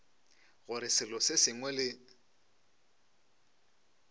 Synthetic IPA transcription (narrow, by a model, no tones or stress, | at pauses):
ɣʊɾɪsɪlɔsɪsɪŋwɛlɪ